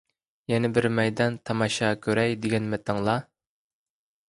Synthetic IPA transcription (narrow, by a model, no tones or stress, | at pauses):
jɛnɪbɪɾmɛjd̪ɛnt̪ʰɑmɑʃɑkʲʰøɾɛjd̪ɪɡʲɛnmɛt̪ʰɑŋlˠɑ